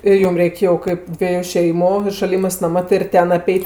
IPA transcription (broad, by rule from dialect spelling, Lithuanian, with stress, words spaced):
ɪr ˈjʊm ˈrʲɛɪkʲ jɛʊ ˈkɐɪp ˈdʲʋʲiɛjʊ ˈʃʲɛɪmʊ ɪ ʃɐˈlʲɪmɜs mɐˈmɐ tʲɪ ɪr ˈtʲɛn ɐˈpʲɛɪtʲ